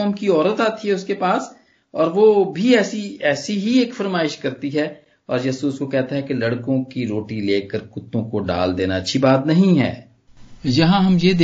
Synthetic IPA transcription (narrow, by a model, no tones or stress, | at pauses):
ɔːmkiɔːɾət̪aːt̪iɦɛʊskepaːs | ɔːɾʋobʱiɛːsiɛːsiɦieːkfɐɾmaːɪʃkɐɾt̪iɦɛː | ɔːɾjɐsuʊskokɛɦt̪aɦɛkelɐɽkõkiɾoːʈileːkəɾkʊt̪ːõkoɖa̰ːld̪eːnaɐtːʃʰibaːt̪nɐɦĩɦɛ̰ː | jɐɦãɦɐmjed̪